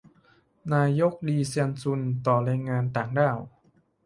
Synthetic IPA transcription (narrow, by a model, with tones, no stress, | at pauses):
naː˧jo˦˥k̚liː˧si˧nsu˧nt̪ɔː˨˩ɾaː˧jŋaː˧nt̪aː˨˩ŋdaː˧˩w